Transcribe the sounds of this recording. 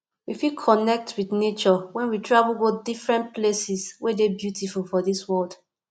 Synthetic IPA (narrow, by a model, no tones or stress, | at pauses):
wifilkʰɔnɛk̚twiθnet͡ʃɔwɛ̃nwitʰɹavəlˠɡodifɹɛ̃ntplesiswedebjutʰifulfɔðiswɔld̥